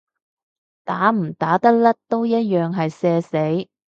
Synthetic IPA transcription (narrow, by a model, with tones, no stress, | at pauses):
t̪aː˨˥m̩˨˩t̪aː˨˥t̪ɐ˥k̚lɐ˥t̪o˥wjɐ˥t̚jœː˨ŋɦɐ˨jsɛː˧se˨˥j